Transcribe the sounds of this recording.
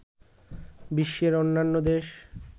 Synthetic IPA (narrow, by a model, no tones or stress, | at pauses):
biʃːeɾonːanːod̪eʃ